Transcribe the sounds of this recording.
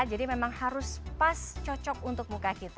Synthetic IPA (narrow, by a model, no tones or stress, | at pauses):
d͡ʒadimemaŋhaɾʊspast͡ʃɔt͡ʃɔk̚unt̪ʊk̚mukakit̪